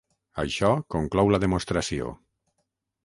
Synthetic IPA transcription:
a̰jʃɔkoŋklɔwlaðemost̪ɾasio̰

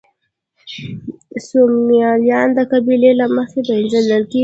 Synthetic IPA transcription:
sumjɑljɑnd̪əkabilelaməxeb̪aɪnzaləɾke

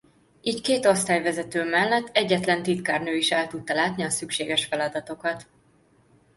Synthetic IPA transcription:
iːckeːt̪o̞st̪aːjvɛzɛt̪øːmɛlːɛt̪ːɛɟːɛt̪lɛnt̪it̪kaːrnøːiʃɛlt̪ut̪ːɒlaːt̪niɒsykʃeːɡɛʃfɛlɒd̪ɒt̪o̞kɒt̪

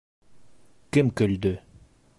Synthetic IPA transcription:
kɘmkɵ̆ld̪ɵ

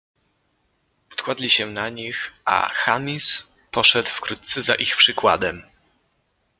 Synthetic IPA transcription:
ɔ̥t̪kwad̪lʲiɕɛnaɲixʔa̰xamʲis | pɔʂɛd̪wfkɾut̪t̪sɛzaʔixpʂɘkwa̰d̪ɛm

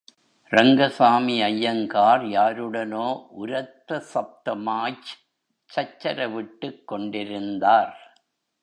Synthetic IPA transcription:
ɾɐŋɡɐsaːmiɐjːɐŋkaːɾjaːɾɯɽɐnoːʔʊɾɐt̪ːɐsɐp̚t̪ɐmaːt͡ʃ | t͡ʃːɐt͡ʃːɐɾɐʋɪʈːɯkːɔɳɖɪɾɯnd̪aːɾ

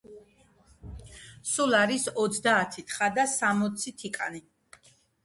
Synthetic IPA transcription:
sulˠaɾisɔt̪sʰd̪aːt̪ʰit̪ʰχad̪asamɔt̪sʰit̪ʰikʼa̰ni

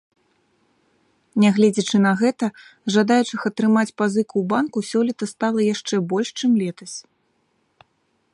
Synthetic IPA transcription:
nʲaɣlʲɛd͡zʲɐt͡ʂɨnɐɣɛt̪ɐ | ʐad̪ajut͡ʂɨxɐt̪ɾɨmat͡sʲpazɨkuwbankusʲɔlʲit̪ɐst̪alˠɐjaʂt͡ʂɛbɔlʲʂt͡ʂɨmlʲɛt̪ɐsʲ

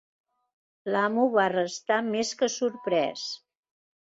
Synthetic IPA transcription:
lamuβarəst̪ameskəsuɾpɾɛ̰s

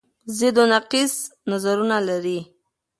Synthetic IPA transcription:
zɪd̪onaqisnazaɾunalaɾi

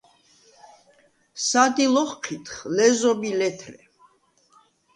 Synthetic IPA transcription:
sad̪ilɔχqʰit̪χlɛzɔbilɛt̪ʰɾɛ

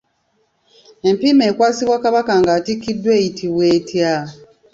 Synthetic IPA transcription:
e̞mpime̞ːkwaːsiβwakaβakaŋɡaːtikːidːwe̞ːjitʰiβwe̞ːtja

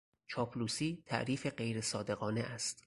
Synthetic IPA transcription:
t͡ʃʰɒːpʰluːsiːt̪ʰæ̰ʔɾiːfe̞ɢe̞jɾe̞sɒːd̪e̞ɣɒːneʔæst̪

